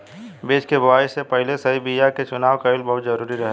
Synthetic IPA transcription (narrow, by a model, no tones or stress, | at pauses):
beːt͡ʃkebɐʋaːisepɐɦlesɐɦibijaket͡ʃʊnaːʋkaɪlbɐɦʊt̪zɐɾuːɾiɾɐɦɛ